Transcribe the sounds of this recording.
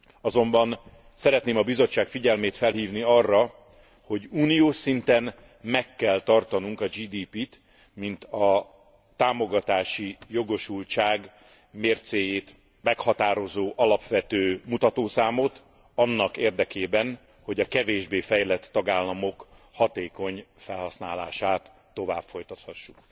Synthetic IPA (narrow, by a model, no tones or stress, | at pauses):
ɒzo̞mbɒn | sɛɾɛt̪neːmɒbizo̞t͡ʃːaːkfiɟɛlmeːt̪fɛlɦiːvniɒrːɒ | ho̞ɟuːnijoːʃsint̪ɛn | mɛkːɛlt̪ɒrt̪ɒnuŋkɒd͡ʒiːd̪iːpit̪ | mint̪ɒ | t̪aːmo̞ɡɒt̪aːʃijo̞ɡo̞ʃult͡ʃaːɡ | meːrt̪seːjeːt̪ | mɛkhɒt̪aːɾo̞zoːʔɒlɒpʋɛt̪øːmut̪ɒt̪oːsaːmo̞t̪ | ɒnːɒkeːrd̪ɛkeːbɛn | ho̞ɟɒkɛveːʒbeːfɛjlɛt̪ːɒɡaːlːɒmo̞khɒt̪eːko̞ɲfɛlɦɒsnaːla̰ːʃaːt̪ːo̞vaːbfo̞jt̪ɒt̪hɒʃːuk